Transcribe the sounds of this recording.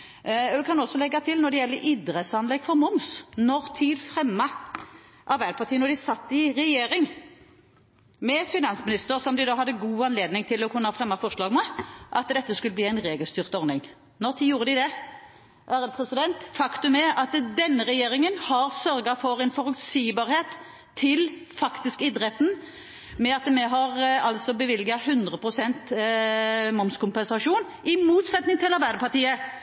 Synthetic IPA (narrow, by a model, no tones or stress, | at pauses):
ɛkʰɑnɔsːɔlɛɡːɑt̪ʰɪlnɔd̪ɛjɛlːəʔid̪ʁəsɑnlɛɡ̥fɔʁmʊmsnɔʁt̪ʰiːd̪fɾɛmːɑ | ʔɑʁbæɪləpʰɑʁt̪ʰiːənɔd̪ɪsɑt̪ːɪʁɛjeːɾɪŋ | mɛfɪnɑnsmɪnɪst̪əʁsɔmd̪ɪd̪oːhɑd̪ːəɡuːɑnleːd̪nɪŋt̪ʰɪlːɔkʰʉnːəɑɑfɾʁɛmːɑfɔʁʂlɑːɡmɛʔɑt̪d̪ɛt̪ːəskʉləbliːæɪnʁeːɡəlst̪yːʁt̪əɔʁnɪŋ | nɔʁt̪ʰiːjuːʁəd̪ɪd̪ɛ | ʔæːɾəd̪pʰʁɛsɪd̪ɛnt̪fɑkt̪ʉmɛʔɑt̪d̪ɛnːəʁɛjeːʁɪŋənhɑʁsœʁɡɑfɔɾɛnfɔɾʉksiːbɑːʁheːt̪ʰː | ɪl | fɑkt̪ɪskɪd̪ɾɛt̪n̩ | mɛɑt̪mɛɦɑʁɑlsɔbəʋɪlɡɑhʉnd̪ʁəpʰʁʊsɛnt̪ | mɔmskʰʊmpɛnsɑʂuːn | ɪmuːt̪sɛt̪nɪŋt̪ʰɪlɑʁbæɪd̪əpʰɑʁt̪iːə